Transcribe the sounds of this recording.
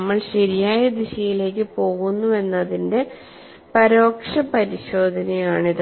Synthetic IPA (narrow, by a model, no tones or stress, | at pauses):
mːɐɭɕɐɾijaːjɐd̪iɕɐjile̞ːk̬ːɨpo̞ːɣunːue̞nːɐðinde̞ | pɐɾo̞ːkʂɐpɐɾiɕo̞ːd̪ʱɐnɐjaːɳiðɨ